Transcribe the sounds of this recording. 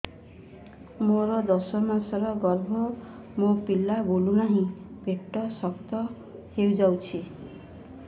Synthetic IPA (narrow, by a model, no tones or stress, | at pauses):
moɾʌd̪ʌsʌmasʌɾʌɡʌrbʱʌ | mopilːabʱolunaɦĩb̥ʱeʈːʌsʌkt̪ʌ | hewd͡zawt͡sʰi